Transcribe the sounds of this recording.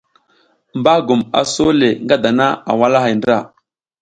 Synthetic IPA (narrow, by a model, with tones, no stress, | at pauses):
mba˦ɡu˨ma̰˨so˦le˨ŋɡa˦da˨na˦a̰˨wa˦la˦ɦa˨ndɾa˦˨